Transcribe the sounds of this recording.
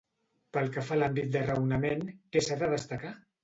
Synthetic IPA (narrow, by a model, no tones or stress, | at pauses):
pəlˠkəfalambit̪̚d̪ərəwnəmenkesaðəðəst̪əka